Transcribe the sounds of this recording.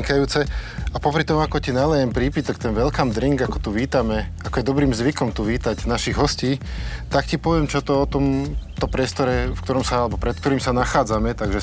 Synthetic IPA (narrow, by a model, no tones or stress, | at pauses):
kajuːt͡sɛapɔpɾit̪ɔmuakɔcinalɛjɛmpɾiːpit̪ɔkt̪ɛnʋɛlkamd̪ɾiŋɡakɔt̪uʋiːt̪amɛakɔjɛd̪ɔbɾiːmzʋikɔmt̪uʋiːt̪aɟnaʃiɣɦɔsciːt̪akcipɔʋɪɛmt͡ʃɔt̪ɔɔt̪ɔmt̪ɔmpɾɪɛst̪ɔɾɛfkt̪ɔɾɔmsaalɛbɔpɾɛt̪kt̪ɔɾiːmsanaxaːd͡zamɛt̪aɡʒɛ